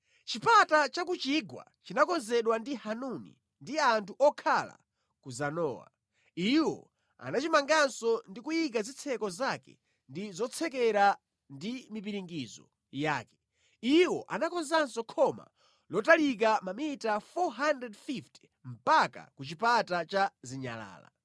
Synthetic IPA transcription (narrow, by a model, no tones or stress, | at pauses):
t͡ʃipatat͡ʃakut͡ʃiɡwa̰t͡ʃinakɔnzɛɗwandihanunḭ | ndiantʰuʔɔkʰala̰ | kuzanɔ̰ːwa̰ | iwɔ̰ | a̰nat͡ʃimaŋɡansɔndikujik̬azit͡sʰɛkɔzakɛ̰ | ndizɔt͡sʰɛkɛɾa | ndimip̬iɾiŋɡizɔ̰ | jaːkɛ̥ | iwɔʔanakɔnzansɔkʰɔma̰ | lɔtalik̬amamitafɔɦandɾɛdfifti̥ | m̩paka̰kut͡ʃipatat͡ʃaziɲa̰la̰ːla̰